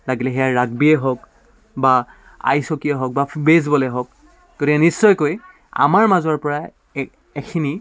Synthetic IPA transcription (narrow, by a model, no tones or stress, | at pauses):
laɡilɛɦɛjaɹaɡbiɛɦok | ba | a̰jsokiɛɦok̚babezbɔlɛɦok̚ | ɡ̥otikɛnisːɔjkoj | a̰maɹmazɔɹpɔɹa | ekʰini